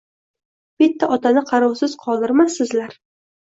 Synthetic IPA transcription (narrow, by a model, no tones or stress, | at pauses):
b̥ɪt̪ʰːaʔɒt̪ʰanɪqʰɑɾɑwsɪz̥qʰɒlˠd̪ɪɾmasɪzlaɾ